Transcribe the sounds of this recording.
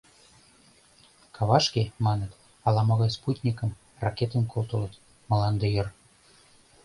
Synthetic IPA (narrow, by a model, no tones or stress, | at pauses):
kʰɑβɑʃkemɑnə̆t̪ | ɑlˠɑmɤɣɑjsput̪ʲnʲikə̆m | rɑket̪ə̆nkolt̪ɤ̆lət̪ | mɤ̆lɑnd̪ejɤ̆r